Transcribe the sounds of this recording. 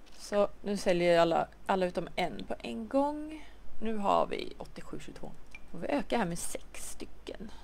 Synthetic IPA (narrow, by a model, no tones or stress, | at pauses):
sɔnʉ̟ːsɛljəɾalːa̰alːaʉ̟t̪ɔmɛnpʰɔʔɛnɡɔŋnʉ̟ːɦa̰ɾvɪ̰ɔt̪ːɪɧʉ̟ːɕʉ̟ːɡt̪vo̰ːfoɾvɪʔøːkahæːɾmɛːsɛkst̪ʏkːə̰n